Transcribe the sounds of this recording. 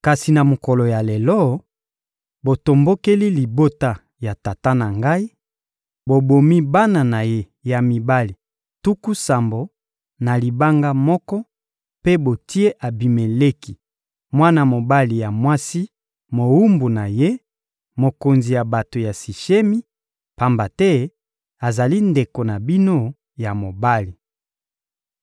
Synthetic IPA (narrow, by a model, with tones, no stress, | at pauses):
ka˨si˨na˨mo˨kɔ˨lo˨ja˨le˨lɔ˦ | bo˨to˨mbo˦ke˦li˦li˨bo˦ta˦ | ja˨ta˨ta˦na˨ŋɡa˦i˦ | bo˨bo˨mi˦ba˦na˨na˨je˦ | ja˨mi˨ba˦li˨ | tu˦ku˦sa˨mbo˨ | na˨li˨ba˦ŋɡa˦mɔ˦kɔ˦ | pe˦bo˨ti˦e˦ʔa˨bi˨me˨le˦ki˨ | mwa˦na˦˨mo˨ba˦li˨ja˨mwa˦si˦ | mo˨wu˦mbu˨na˨je˦ | mo˨ko˨nzi˨ja˨ba˨to˨ja˨si˨ʃe˦mi˦ | pa˨mba˨tɛ˦ | a˨za˨li˦nde˨ko˨na˨bi˦no˦ | ja˨mo˨ba˦li˨